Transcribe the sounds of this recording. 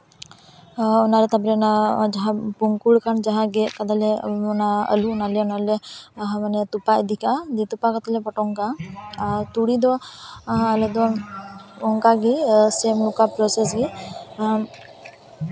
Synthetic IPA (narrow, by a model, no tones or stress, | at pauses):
ɔnaɾɛt̪apɾɛɔnad͡ʒaɦãpuŋkuɽkʰand͡ʒaɦãɡɛʔkat̪alɛɔnaə̰luɔnalɛɔnalɛɦãmanɛt̪upaʔd̪ʱikad̪ɛt̪upakat̪alɛpɔʈɔŋkaaɾt̪uɽid̪ɔãalɛd̪ɔnɔŋkaɡisemlɔkapɾɔsesɡi